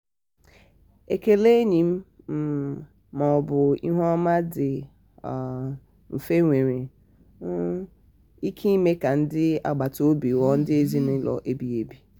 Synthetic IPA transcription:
e˨ke˨le˦ɲi˨m̩˦ | m̩˦ | mɔ˨ɔ˨bʊ˨ḭ˦ɦʷɔ˦ma˦dɪ˨ | m̩˨fe˦ŋʷe˨ɾe˨ | n̩˦ | i˦kʰi˦i˦me˦ka˨n̩˦dɪ˦a̰˨ɡ͡ba˨to˦bi˨wɔ˦n̩˦dɪ˦e˦zi˦nɪ˦lɔ̰˨ʔe˦bi˦e˨bi˦

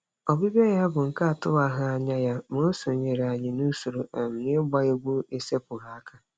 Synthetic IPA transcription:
ɔ˨bi˦be˦ja˦bʊ˨ŋ̩˨ka˦a˨tʊ˦a˨ɦa˦a˨ɲa˦ja˦mo˦so˨ɲe˨ɾa˨ɲɪ˨nu˦su˨ɾo˨ʔe˨m̩˨nɪ˦ɡ͡ba˦e˦ɡʷu˦e˦se˦pʊ˨ɣa˨a˦kʰa˦

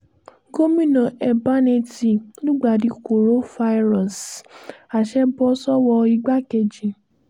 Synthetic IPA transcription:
ɡo˦mĩ˦nɔ̃˨ɛ˨ba˦ne˧ti˨nũ˦ɡ͡ba˨di˨˧˦ko˨ɾo˦fa˧i˦ɾã˨s | a˨ʃɛ˦bɔ˧sɔ˦wɔ˧i˦˧ɡ͡ba˦kɛ˧d͡ʒi˨

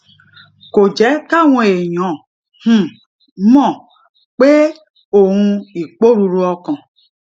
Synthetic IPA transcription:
ko˨d͡ʒɛ˨˦ka˦wɔ̃˦˨e˨ɲɔ̃˨ | h̩˦ | mɔ̃˦˨ | k͡pe˦ | o˨ŋũ˦i˨k͡po˦ɾu˦ɾu˦ɔ˦kɔ̃˨

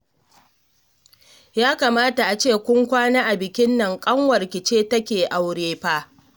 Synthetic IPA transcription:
jaː˦kaː˨maː˦ta˨ʔa˨t͡ʃeː˦˨kʷʊ˦ŋkʷaː˦naː˦ʔa˨bɪ˨kʲɪ˦nːɐ˨ŋkʼɐ˦ŋwɐ˨rkʲɪ˨t͡ʃeː˦tɐ˦kʲeː˨ʔa˨wɽeː˦ɸaː˦

